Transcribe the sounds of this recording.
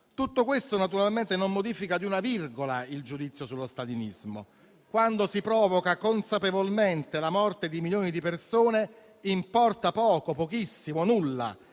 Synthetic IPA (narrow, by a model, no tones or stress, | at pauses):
t̪ut̪ːokwest̪onat̪uɾalment̪enomːod̪iːfikad̪iunavirɡolaild͡ʒud̪it̪sːjosulːost̪alinizmo̰ | kwand̪osipɾɔːvokakonsapevolment̪elamɔrt̪ed̪imiljoːnid̪ipersoːne | impɔrt̪apɔːkopokisːimonulːa̰